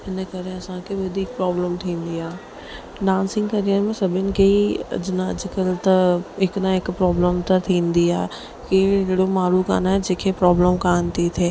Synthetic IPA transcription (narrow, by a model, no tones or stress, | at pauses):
ɦɪnəkɐɾeɐsãkʰeʋɐd̪ʱiːk̚pɾɔːbləmt̪ʰĩːnd̪iaː | ɖãːnsɪ̃ŋɡkɐɾijəɾmẽsɐbʱɪnɪ̆kʰeiɐ̰d͡ʒɪnɐ̰d͡ʒɪkəlt̪ɐɪkɗ̪ãɪkpɾɔːbləmt̪ɐt̪ʰĩːnd̪iaːɦɛ | kiɪɪɽomaːɾuːka̰ːnaɦɛd͡ʒeːkʰepɾɔːbləmkaːnt̪it̪ʰeː